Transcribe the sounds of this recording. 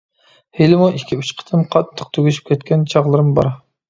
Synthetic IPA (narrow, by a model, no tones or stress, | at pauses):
helɪmuʔikʲʰːiyt͡ʃqʰə̥t̪ʰɨnqʰɑt̪ʰːə̥q̚t̪ʰøɡʲyʃy̥p̚ʲkʲʰɛt̪kʲɛnt͡ʃʰɑʁlˠɨɾɨmbɑ̰ɾ